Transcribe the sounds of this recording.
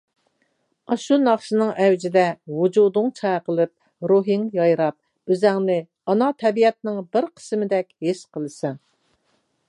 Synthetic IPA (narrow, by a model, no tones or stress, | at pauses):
ɑʃunɑχʃɨnɨŋɛwd͡ʒɪd̪ɛwud͡ʒud̪ʊŋt͡ʃʰɑjqəlˠɨp̚ | ɾuɦiŋjɑjɾɑp̚ | øzɛŋnɪ | ɑnɑt̪ʰɛbijɛt̪̚nɪŋbɪɾqʰə̥smɪd̪ɛkʲheʃqʰəlˠɨsɛŋ